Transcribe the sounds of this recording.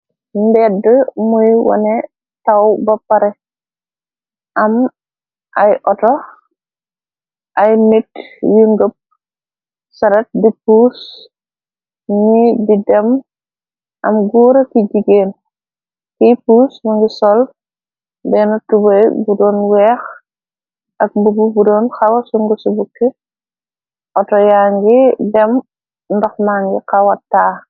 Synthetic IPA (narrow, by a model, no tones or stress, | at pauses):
nbɛdəmujwɐ̰nɛ | tawbɐpaɾɛ | ʔam | ʔajʔɔtɔ | ʔajmitjuŋɡəp̚ | sɐɾɐt̚dipuːs | ɲididɛm | ʔɐ̰mɡuːɾɐkiɟiɡeːn | kipuːsmuŋɡisɔl | bɛnutubɐjbudɔːnwɛːx | ʔɐk̚bububudɔːnxɐwɐsuŋɡusubukːi | ʔɔtɔjaːŋɡidɛm | ndɔxmaːŋɡikɐwɐtːaː